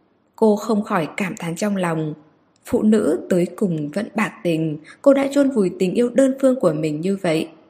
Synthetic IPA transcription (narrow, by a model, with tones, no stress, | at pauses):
ko˧xə˧wŋ͡mxɔ˧˩jkaː˧˩mt̪ʰa˨˦ŋt͡ɕɔ˧wŋ͡mlɑ˨˩wŋ͡m | fṵ˧˨nɨ̰˧˥t̪əː˨˦jkʊ˨˩ŋ͡mvə̰˧˥nɓaː˨˩k̚t̪ï˨˩ŋ̟ko˧ɗa̰ː˧˥t͡ɕu˧nvu˨˩jt̪ï˨˩ŋ̟ʔi˧əwɗəː˧nfɨ˧əŋku˧˩əmï˨˩ŋ̟ɲɨ˧və̰˧˨jʔ